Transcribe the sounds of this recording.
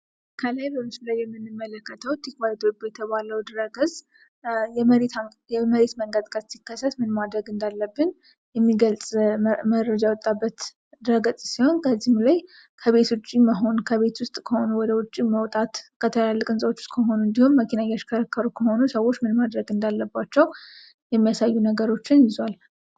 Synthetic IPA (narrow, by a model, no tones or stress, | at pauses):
kʰəlajbəmɨslajːɛmːɨnːɨmːələkːət̪ʰəwt̪ʰikaɾit̪ʰobjɛt̪ʰəβaləwd̪ɾəɡəsʼ | jɛməɾet̪ | jɛməɾe̞t̪məŋɡəd̪kʼəzsikːəsːət̪mɨnmad̪ɾəɡɨnd̪alːəbːɨn | jɛmːiɡəlsʼməɾəd͡ʒawɔt̪ʼːabːət̪ | d̪ɨɾəɡəzʼsiho̞nkʰəzːihmlaj | kʰəβe̞t̪wʊt͡ʃʼːiməɦo̞nkʰəβe̞t̪wʊst̪ʼkʰəho̞nuwɔd̪əwʊt͡ʃʼːiməwt̪ʼat̪kʰət̪ʰəalːəkʼɨnsʼəwot͡ʃːʊ̥st̪ʼkʰəɦo̞nuɨnd̪ihumːəkʰinajat͡ʃkʰəɾəkʰːəɾukʰəho̞nusəwo̞t͡ʃːmɨnmad̪ɾəɡɨnd̪alːəbːat͡ʃːɛw | jɛmːijasajːunəɡəɾo̞t͡ʃːɪnjɪzwal